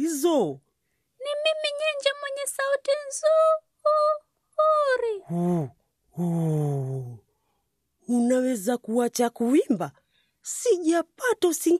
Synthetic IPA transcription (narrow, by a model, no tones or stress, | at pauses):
izɔ | nimimiɲɛɲd͡ʒamwɛɲɛsautinzu | uɾihu | hu | unawɛzakuat͡ʃakuimba | siʄapatɔsiŋ